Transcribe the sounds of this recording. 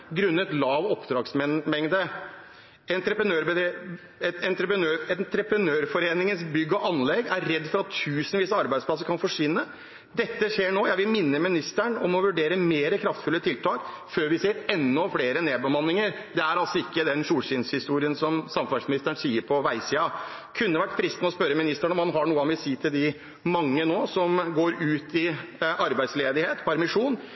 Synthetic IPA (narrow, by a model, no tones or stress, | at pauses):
ɡɾʉnːəɛt̪lɑːʋɔpd̪ɾɑːɡsmɛmɛŋd̪ə | ɛnt̪ɾəpɾənøːɾbə | ɛɛnt̪ɾəpɾənøːɛnt̪ɾəpɾənøːɾfɔɾeːnɪŋənsbʏɡːɔʔɑnlɛɡæɾːɛd̪ːfɔɾɑt̪ʰːʉːsənʋiːsəɑɾbæɪd̪spʰlɑs̬əɾkɑnfɔʂʋɪnːə | d̪ɛt̪ːəʂeːɳoːjæɪʋɪlmɪnːəmɪnɪst̪æɳɔmɔʋʉɖeːɾəmeːɾəkʰɾɑft̪fʉlːət̪ʰɪlt̪ʰɑːkføːɾʋɪseːɾɛnːɔfleːɾəneːd̪̚bəmɑnːɪŋəɾ | d̪ɛæɾɑlsɔɪkːəd̪ɛnʂuːlɕɪːnshɪst̪uːɾɪənsɔmsɑmfɑsmɪnɪst̪æɳsiːəɾpʰɔʋæɪsiːɑ | kʰʉnːəʋæʈːfɾɪst̪nəɔspœɾəmɪnɪst̪æɳəɔmhɑnɦɑɳuːəɑmʋɪlsiːt̪ʰɪld̪ɪ | mɑŋːənoːsɔmɡoːɾʉːt̪ɪʔɑɾbæɪd̪sleːd̪ɪheːt̪pʰæɾmɪʂuːn